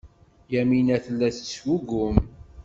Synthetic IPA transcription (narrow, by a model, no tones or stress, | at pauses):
jæminæθəlːæθt͡sːwuɡʊm